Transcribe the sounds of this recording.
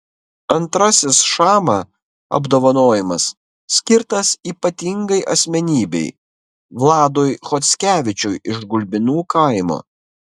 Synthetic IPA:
ɐnt̪ɾɐsʲɪsʃɑːmɑ | ɐ̰bd̪oːʋɐnoːjɪmɐsːʲ | kʲɪɾt̪ɐsiːpɐt̪ʲɪŋɡɐɪʔɐsʲmʲɛnʲiːbʲɛ̰ɪ | ʋlˠɑːd̪oːjxɔt̪sʲkʲæːʋʲɪt͡ʃʲʊjʔɪʒɡʊlʲbʲɪnuːkɐˑɪmo̰ː

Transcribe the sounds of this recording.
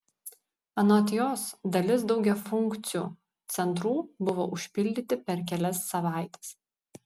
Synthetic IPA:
ɐnoːt̪ʲɪjoːsd̪ɐlʲɪs̬d̪ɒʊɡʲɛfʊŋʲˑkt̪sʲɪjṵː | t̪sʲɛnt̪ɾuːbʊʋo̰ːʔʊʃʲpʲɪlʲd̪ʲɪt̪ʲɪpʲɛɾkʲɛlʲɛsːɐʋɑˑɪt̪ʲɛ̥s

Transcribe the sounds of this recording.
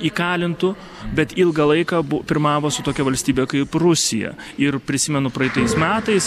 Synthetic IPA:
iːkɑːlʲɪnt̪ʊ | bʲɛt̪ɪlˠɡɐlˠɐɪkɑːbʊpʲɪɾmɑːʋoːsʊt̪oːkʲɛʋɐlʲsʲt̪ʲiːbʲekɐɪprʊsʲɪjɛ̰ | ɪrpʲɾʲɪsʲɪmʲɛnʊpɾɐɪt̪ɐɪsmʲæːt̪ɐɪs

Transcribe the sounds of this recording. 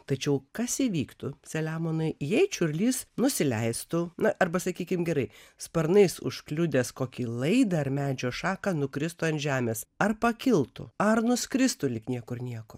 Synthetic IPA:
t̪ɐt͡ʃʲɛʊkɐsiʋʲiːkt̪ʊsʲɛlʲæːmoːnɐɪjɛɪt͡ʃʲʊɾʲlʲiːsnʊsʲɪlʲɛɪst̪ʊnɐʔɐrbɐsɐkʲiːkʲɪmɡʲɛɾɐɪspɐɾnɐɪsʊ̰ʃklʲʊd̪ʲeːskoːkʲilˠɐɪd̪ɐɐɾmʲæːd͡ʒʲoːʃɑːkɐnʊkɾʲɪst̪ʊɐnt̪ʒʲæːmʲeːsɐrpɐkʲɪlˠt̪ʊ̰ɐrnʊsʲkɾʲɪst̪ʊlʲɪknʲiɛkʊɾnʲiɛko̰ː

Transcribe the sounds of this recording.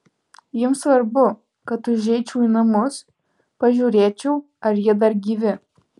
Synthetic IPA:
jɪmsʋɐɾbʊ | kɐt̪ʊʒʲɛɪt͡ʃʲɛʊiːnɐmʊs | pɐʒʲuːɾʲeːt͡ʃʲɛʊ | ɐɾjiɛd̪ɐɾɡʲiːʋʲɪ

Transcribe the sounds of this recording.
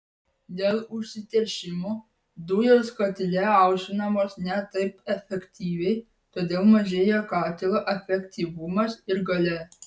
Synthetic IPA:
d̪ʲeːlˠʊʃʲsʲɪt̪ʲɛɾʲʃʲɪmoː | d̪ʊːjoːskɐt̪ʲɪlʲɛɐˑʊʃʲʋʲɪnɐmoːsnʲɛt̪ɐɪpɛfʲɛkʲt̪ʲiːʋʲɛɪ | t̪oːd̪ʲeːlˠmɐʒʲeːjɛkɑːt̪ʲɪlˠoʔɛfʲɛkʲt̪ʲiːʋʊmɐsɪɾɡɐlʲɛ

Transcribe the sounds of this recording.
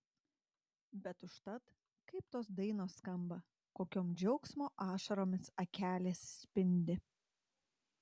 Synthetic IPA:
bʲɛt̪ʊʃt̪ɐt̪ | kɐɪpt̪oːsd̪ɐɪnoːsːkɐmbɐ | koːkʲoːmd͡ʒʲɛʊksmoːʔɑːʃɐɾoːmʲɪsɐkʲæːlʲeːsːʲpʲɪnʲd̪ʲɪ

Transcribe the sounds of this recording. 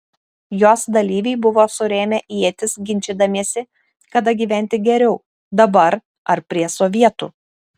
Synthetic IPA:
joːsd̪ɐlʲiːʋʲɛɪbʊʋoːsʊɾʲeːmʲeːʔiɛt̪ʲɪsɡʲɪnʲt͡ʃʲɪd̪ɐmʲiɛsʲɪ | kɐd̪ɐɡʲiːʋʲæˑnʲt̪ʲɪɡʲɛɾʲɛʊ | d̪ɐbɐɾ | ɐɾpʲɾʲiɛsɔʋʲiɛt̪ṵː

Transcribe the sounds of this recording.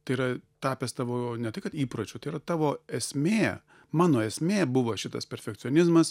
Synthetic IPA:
t̪ɐɪiːɾɐt̪ɑːpʲɛst̪ɑːʋoːnʲɛt̪ɐɪkɐt̪iːpɾot͡ʃʲʊt̪ɐɪiːɾɐt̪ɑːʋoːɛsʲmʲeː | mɑːnoːɛsʲmʲeːbʊʋɐʃʲɪt̪ɐ̰spʲɛɾʲfʲɛkt̪sʲɪonʲɪzmɐs

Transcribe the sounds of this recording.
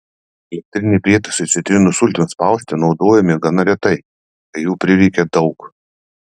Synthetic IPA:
ɛlʲɛk̚t̪ʲɾʲɪnʲɛɪpʲɾʲiɛt̪ɐsɐsʲɪt̪ʲɾʲɪnʊsʊlʲt̪ʲɪnspɑˑʊsʲt̪ʲɪnɒʊd̪oːjɛmʲɪɡɐnɐɾʲɛt̪ɐɪ | kɐɪjuːpʲɾʲɪʋʲɛɪkʲɛd̪ɐʊk

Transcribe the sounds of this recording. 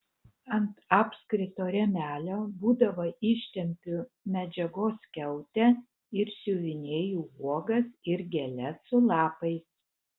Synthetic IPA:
ɐnt̪ɑːpʲskɾʲɪt̪oːɾʲɛmʲæːlʲoːbuːd̪ɐʋɐɪʃʲt̪ʲɛmʲpʲʊ | mʲɛd͡ʒʲɛɡoːskʲɛʊt̪ʲɛ | ɪɾsʲuːʋʲɪnʲeːjuːuɔɡɐsɪɾɡʲɛlʲɛsʊlˠɑːpɐɪs

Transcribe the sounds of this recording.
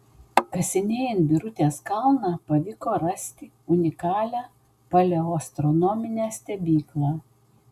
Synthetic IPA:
kɐsʲɪnʲeːjɪnbʲiɾʊt̪ʲeːskɑlˠnɑːpɐʋʲɪkoːɾɐsʲt̪ʲɪ | ʊnʲɪkɑːlʲæː | pɐlʲɛɔst̪ɾɔnɔmʲɪnʲæsʲt̪ʲɛbʲiːklˠɑː

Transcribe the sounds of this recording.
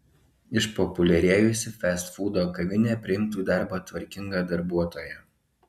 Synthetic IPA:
ɪʃpɔpʊlʲɛɾʲeːjʊsʲɪfʲɛst̪fuːd̪oːkɐʋʲɪnʲɛːpʲɾʲɪɪmt̪uːd̪ɑˑɾbɐt̪ʋɐɾʲkʲɪŋɡɑːd̪ɐɾbuɔt̪oːjɛ

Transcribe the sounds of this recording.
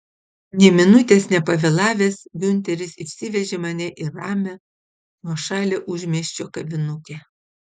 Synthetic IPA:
nʲɛmʲɪnʊt̪ʲeːsnʲɛpɐʋʲɛlˠɑːʋʲeːsɡʲʊnʲt̪ʲɛɾʲɪsɪʃʲsʲɪʋʲɛʒʲeːmɐnʲɛʔɪɾɑːmʲɛ | nuɔʃɑːlʲeʔʊʒʲmʲiɛʃʲt͡ʃʲoːkɐbʲɪnʊkʲɛː

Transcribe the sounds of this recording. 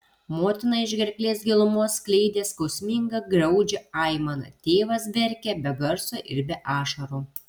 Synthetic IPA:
moːt̪ʲɪnɐɪʒʲɡʲɛɾʲkʲlʲeːsɡʲɪlˠʊmoːsklʲɛɪd̪ʲeːskɐʊsʲmʲɪŋɡɐɡɾɐʊd͡ʒʲɛɐɪmɐnɐ̰t̪ʲeːʋɐs̬bʲɛɾʲkʲɛbʲɛɡɐɾsoːʔɪɾʲbʲɛʔɑːʃɐɾuː

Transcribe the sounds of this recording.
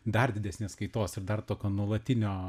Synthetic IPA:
d̪ɐrd̪ʲɪdʲɛsʲnʲeːskɐɪt̪oːsɪɾd̪ɐrt̪oːkʲoːnuɔlˠɐt̪ʲɪnʲoː

